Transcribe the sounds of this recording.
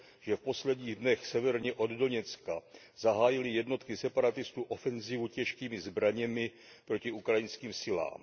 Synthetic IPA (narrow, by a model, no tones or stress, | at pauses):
ʒ̥ɛfpo̞slɛdɲiːɣdnɛxsɛvɛɾɲɛʔo̞ddo̞ɲɛt͡ska | zaɦaːjɪlɪjɛdno̞t̪kɪsɛpaɾat̪ɪst̪uːʔo̞fɛnzivucɛʃkiːmɪzbɾaɲɛmɪ | pɾo̞cɪʔukɾajɪnskiːmsɪla̰ːm